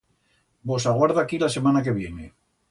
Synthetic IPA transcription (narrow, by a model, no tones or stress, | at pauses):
bo̞saɣwaɾðaːkilase̞manak̬e̞β̞je̞ne